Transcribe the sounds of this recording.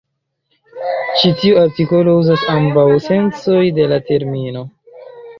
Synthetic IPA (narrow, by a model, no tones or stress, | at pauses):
t͡ʃitiuaɾtiko̞lo̞uzasambawse̞nt͡so̞jde̞late̞ɾmino̞